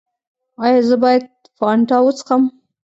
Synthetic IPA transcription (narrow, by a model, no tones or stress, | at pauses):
ɑjɑzəbɑjad̪̚ | fɑɳʈɑwət͡sə̥xam